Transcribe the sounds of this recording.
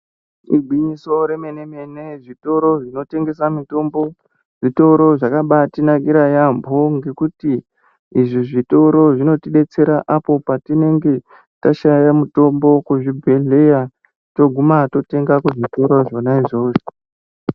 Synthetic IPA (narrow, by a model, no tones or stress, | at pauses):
ḭɡʱwiɲiso̞ɾe̞mene̞meneʐito̞ɾo̞ʐino̞te̞ŋɡe̞samito̞mbo̞ | ʐito̞ɾo̞ʐakaɓatinaɡiɾajambʱoŋɡe̞kuti | iʐiʐito̞ɾo̞ʐino̞tiɗe̞t͡se̞ɾaʔapo̞patine̞ŋɡe̞ | taʃajamuto̞mbo̞kuʐibʱeɮe̞ja | to̞ɡʱumato̞te̞ŋɡakuʐito̞ɾo̞ʐonaiʐo̞ːʐo